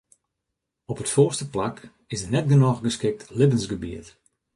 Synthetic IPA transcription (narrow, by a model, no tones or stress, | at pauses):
ɔpətfoːrstəplak | ɪsdənɛt̚ɡənɔxɡəskɪk̚tlɪbənsɡəbiət